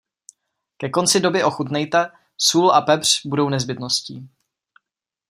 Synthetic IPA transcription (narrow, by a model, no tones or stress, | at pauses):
kɛko̞nt͡sɪdo̞bɪʔo̞xut̪nɛjt̪ɛ | suːlapɛpr̝̥budo̞wnɛzbɪt̪noscḭː